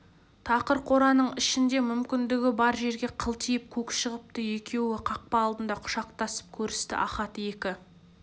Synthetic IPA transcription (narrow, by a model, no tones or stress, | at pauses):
t̪ʰɑqəɾqʰoɾɑnəɴɪʃɪnd̪e̞mʏmkʲɪnd̪ɪɡʲɪbɑɾʒe̞ɾɡʲe̞qʰəlˠt̪ʰijɪp̚kʲʰɵkʲʃəʁəp̚t̪əje̞kʲʰe̞wɪqʰɑq̚pɑːlˠd̪ənd̪ɑqʰʊ̥ʃɑqt̪ɑsə̥p̚kʲʰɵɾɪst̪ɪ̰ʔɑ̰χɑt̪əje̞kʲɪ